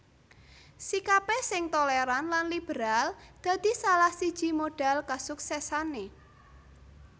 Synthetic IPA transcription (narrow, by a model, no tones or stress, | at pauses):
sikapesɪŋt̪oleɾanlanlib̥əɾald̪̥ä̤d̪̥i̤salahsid̥ʒ̥i̤moɖ̥a̤lkasuksɛsane